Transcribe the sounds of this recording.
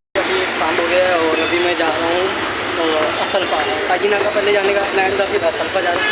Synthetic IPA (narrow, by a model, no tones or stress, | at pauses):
aʈisãːmbʱoːɾeɛɔːɾɐbʱimɛ̃d͡ʒaːɾaɦũ | t̪oːɐsəlpaːɦɛːsaːɡinãkapɛɦled͡ʒaːnekalɛ̃ːɳɖd̪apʰɪt̪ɐsəlpad͡ʒaːɾ